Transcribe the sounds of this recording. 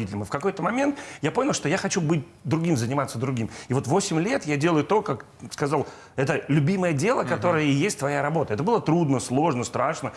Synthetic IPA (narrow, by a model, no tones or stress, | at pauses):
itʲɪlʲɪmɨfkɐko̞jt̪əmɐmʲe̞nt̪japo̞nʲɪlˠʂt̪ojaxɐt͡ɕubɨt̚ʲ | d̪ɾʊɡʲimzənʲɪmat̪sːəd̪ɾʊɡʲimɪvo̞t̪vo̞sʲɪmʲlʲe̞t̪jadʲe̞lˠəjʊt̪o̞kak | skɐzalˠ | ɛt̪əlʲʊbʲiməjədʲe̞lˠəkɐt̪o̞ɾəjəjesʲtʲt̪vɐjaɾɐbo̞t̪əɛt̪əbɨlˠət̪ɾud̪nəslˠo̞ʐnəst̪ɾaʂnə